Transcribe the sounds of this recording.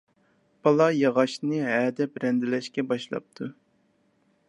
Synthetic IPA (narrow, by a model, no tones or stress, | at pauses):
b̥ɑlˠɑjɑʁɑʃnɨɛːd̪ɛbɾɛnd̪ɪlɛʃkʲɛbɑʃlˠɑ̰p̚t̪ʰu